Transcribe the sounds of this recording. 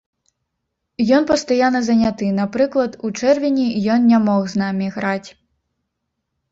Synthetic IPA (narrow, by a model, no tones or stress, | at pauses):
jɔnpɐst̪ajanːɐzɐnʲat̪ɨnapɾɨklˠɐt̪ut͡ʂɛrvʲinʲijɔnnʲamɔɣznamʲiɣɾat͡sʲ